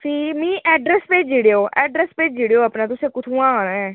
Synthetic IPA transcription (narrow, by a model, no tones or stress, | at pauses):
siːmĩːʔɛːɖɾɛːspeːd͡ʒiːɽeoːʔɛːɖɾɛːspeːd͡ʒd͡ʒiːɽejoːapnaːt̪ʊsẽːkʊt̪ʰũːãːoːnɛː